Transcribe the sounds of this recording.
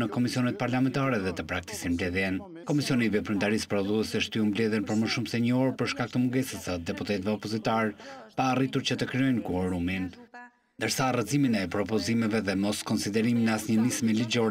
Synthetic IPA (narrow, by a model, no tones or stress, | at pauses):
nəkɔmisiɔnɛt̪̚paɾlamɛnt̪aɾɛðɛt̪əpɾakt̪i̥sinmblɛðjɛn | kɔmisiɔnivɛpɾynt̪aɾispɾɔðuɛsɛəʃt̪yumblɛðjɛnpəɾməʃumsɛɲəɔɾpəɾʃkak̚t̪əmuɡɛsəsad̪ɛput̪ɛt̪vɛɔpɔzit̪aɾpaːrit̪uɾt͡ɕət̪əkɾiɔjnkuɔɾumin | nd̪əɾsarəziminɛpɾɔpɔzimɛvɛðɛmɔskɔnsid̪ɛɾiminəasɲənismilid͡ʑɔɾ